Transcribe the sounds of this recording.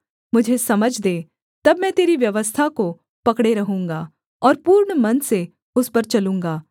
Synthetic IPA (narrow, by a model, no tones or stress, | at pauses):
mʊd͡ʒʱesɐməd͡ʒʱd̪eː | t̪ɐbmɛ̃ːt̪eːɾiʋjɐʋəst̪ʰako | pɐkɽeɾɐɦũːŋɡaː | ɔːɾpuːɾɳmɐnse | ʊspɐɾt͡ʃɐlũːŋɡaː